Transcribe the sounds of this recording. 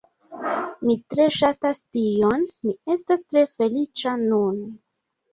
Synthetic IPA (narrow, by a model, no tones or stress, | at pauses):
mitɾe̞ʃatastio̞nmie̞stastɾe̞fe̞lit͡ʃanun